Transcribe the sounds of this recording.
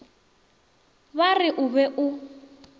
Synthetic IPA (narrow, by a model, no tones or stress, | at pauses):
βarɪʔʊβɛʔʊ